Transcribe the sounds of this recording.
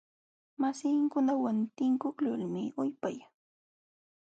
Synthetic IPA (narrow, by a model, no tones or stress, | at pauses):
masɪŋkʊnawant̪ɪŋkʊklʊlmɪʊjpaj